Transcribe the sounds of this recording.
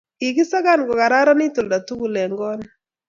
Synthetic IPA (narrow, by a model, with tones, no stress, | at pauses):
i˨ɡɪ˦sa˦ɡa˦nɡɔ˨ka˨ɾa˦ɾɔ˦nɪ˦t̪o˨lda˨tu˦ɡu˨lɛ˨ŋɡɔ˦n